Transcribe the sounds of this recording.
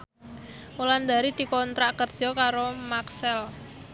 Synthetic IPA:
uland̪aɾid̪̥i̤kɔnt̪ɾaʔkərd̥ʒ̥ɔ̤kaɾomaksɛl

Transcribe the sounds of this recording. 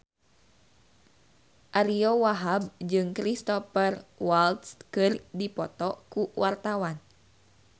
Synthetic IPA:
ʔaɾiɔwaɦab̚d͡ʒɨŋkɾist̪ɔfərwalt̪skɨrdipɔt̪ɔkuwart̪awan

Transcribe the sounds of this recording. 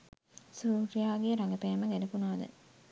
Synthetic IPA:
suːɾijaːɡijəɾaŋɡəpæːməɡælepunaːd̪ə̰

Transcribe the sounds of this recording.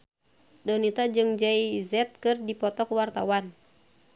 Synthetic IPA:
dɔnit̪ad͡ʒɨŋd͡ʒaizɛt̪̚kɨrdipɔt̪ɔkuwart̪awan

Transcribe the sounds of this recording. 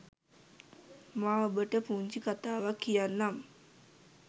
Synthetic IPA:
maːobəʈəpuːɲt͡ʃikat̪aːʋakːijanːam

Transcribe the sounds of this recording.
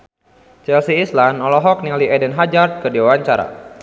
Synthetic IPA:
t͡ʃɛlsiːslanɔlɔɦɔk̚nialiɛdɛnɦad͡ʒart̪̚kɨdiwawaɲt͡ʃaɾa̰

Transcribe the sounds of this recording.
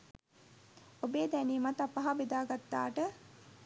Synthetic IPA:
obeːd̪æniːmat̪apaɦabed̪aːɡat̪ːa̰ːʈə

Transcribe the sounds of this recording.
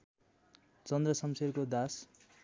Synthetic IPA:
t͡sʌnd̪rʌsʌmserkod̪as

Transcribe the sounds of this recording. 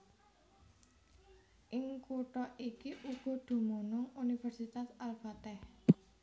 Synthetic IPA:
ʔɪŋkuʈɔʔikiʔuɡ̥ɔ̤d̪̥ṳmonʊŋunifɛrsit̪asalfat̪ɛh

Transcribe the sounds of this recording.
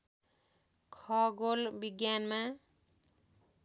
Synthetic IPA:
kʰʌɡolbiɡjanma

